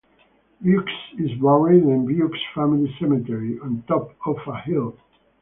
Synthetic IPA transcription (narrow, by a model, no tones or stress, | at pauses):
bjʉksɪzwaʊɪ̃nɨ̃nbjuksfæmilisɛmitɛɹiɔ̃ntɔpɔfəhɪlˠ